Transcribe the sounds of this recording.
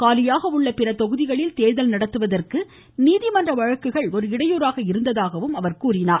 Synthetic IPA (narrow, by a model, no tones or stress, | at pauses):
kaːlɪjaːɣɐʊɭːɐpɪɾɐt̪ɔɣɯðɪɣɐɭɪlt̪eːðɐlnɐɽɐt̪ːɯʋɐðɐrkɯ | niːðɪmɐndrɐʋɐɻɐkːɯɣɐɭɔɾɯɪɽɐjuːɾaːɣɐɪɾɯnd̪ɐðaːɣɐʋɯmɐʋɐɾkuːrɪnaːɾ